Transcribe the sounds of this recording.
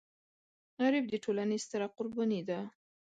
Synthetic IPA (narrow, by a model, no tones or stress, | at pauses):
ɣaɾɪb̚d̪əʈʰolanest̪ɪɾaqʊɾbɑnid̪a